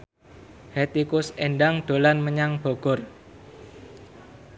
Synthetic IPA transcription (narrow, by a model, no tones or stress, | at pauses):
het̪ikʊseɳɖaŋɖ̪̥o̤lanməɲaŋb̥o̤ɡ̥ɔr